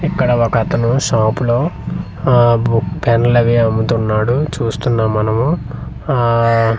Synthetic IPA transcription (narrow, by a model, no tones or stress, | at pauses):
ikːɐɽɐʋokɐt̪ɐnuʃaːpulo̞ː | kpenlɐʋiɐmbut̪unːaːɽut͡ʃuːst̪unːaːmːɐnɐmu